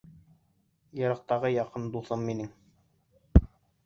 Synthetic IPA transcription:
jɤ̆ɾɤ̆q̚t̪ɑʁɤjɑqɤnd̪uθɤmːinɘŋ

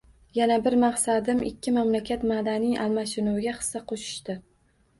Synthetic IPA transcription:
janabɪɾmaqsad̪ɪmɪ̰kʲʰːɪmamlakʲʰat̪mad̪anɪjʔalmaʃɪnʊwɪɡʲaχɨ̥sːaqʰoʃɪ̥ʃt̪ɪ

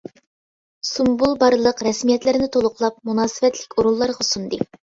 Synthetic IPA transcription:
sumbulˠbɑɾlˠəqɾɛsmijɛt̪lɪɾɪnɪt̪ʰolˠʊqlˠɑp̚munɑːsɨvɛt̪lɪkʲoɾulˠːɑɾʁɑsund̪ɨ

